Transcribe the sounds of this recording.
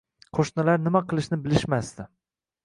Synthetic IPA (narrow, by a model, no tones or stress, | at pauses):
qʰoʃnɪlaɾnɪmaqɨlˠɪʃnɪbɪlɪʃmast̪ɪ